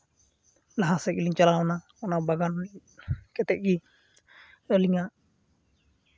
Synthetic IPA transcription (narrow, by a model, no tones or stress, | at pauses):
laɦasɛkliŋt͡ʃalawɔna | ɔnabaɡan | kɛt̪ɛʔ̚ɡi | əliŋaʔ